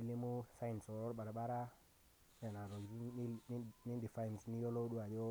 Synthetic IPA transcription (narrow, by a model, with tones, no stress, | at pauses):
i˦li˦mu˦sa˦i˨nso˨ɾo˦ɾɓa˨ɾa˨ɓa˦ɾa˦ | ne˨na˨ɾo˨ɡzi˦ni˦di˨fa˦jn˨sni˦jo˦lo˦ɗu˦a˨d͡ʒo˦